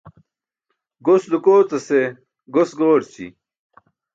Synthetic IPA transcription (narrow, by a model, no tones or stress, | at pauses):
ɡosd̪ukoːt͡sɐse | ɡosɡoːʈt͡ɕḭ